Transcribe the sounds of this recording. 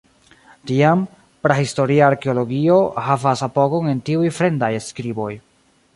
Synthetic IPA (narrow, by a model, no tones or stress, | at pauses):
tiam | pɾahisto̞ɾiaːɾke̞olo̞ɡio̞havasapo̞ɡo̞ŋe̞ntiujfɾe̞ndajeskɾibo̞j